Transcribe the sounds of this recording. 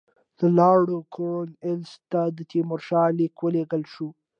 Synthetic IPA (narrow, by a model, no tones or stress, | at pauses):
d̪̥əlɑɽokʰonɪlst̪ad̪ət̪ʰimʊɾʃɑlikwəleɡəlʃu